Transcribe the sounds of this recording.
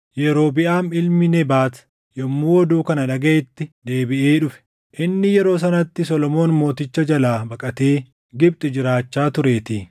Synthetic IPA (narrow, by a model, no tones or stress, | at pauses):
jɛɾo̞ːbɪʔaːmɪlmɪnɛbaːt̪ɐ̥ | jɔmːuːwɔd̪uːkɐnɐᶑɐɡɐʔɪt̪ːɪd̪e̞ːbɪʔeːᶑʊfɛ̥ | ʔɪnːɪjɛɾo̞ːs̬ɐnɐt̪ːɪsɔlɔmo̞ːnmo̞ːt̪ɪt͡ʃːɐd͡ʒɐlaːbɐkʼɐt̪eː | ɡɪb̚t̪ʼɪd͡ʒɪɾaːt͡ʃːaːt̪ʊɾe̞ːt̪iː